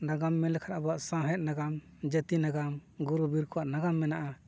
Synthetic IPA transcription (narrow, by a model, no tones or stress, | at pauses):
naɡamːɛlɛkʰaɾabaʔsãɦɛt̪̚naɡam | d͡ʒət̪inaɡamɡuɾubiɾkɔwaʔnaɡamːɛnaʔa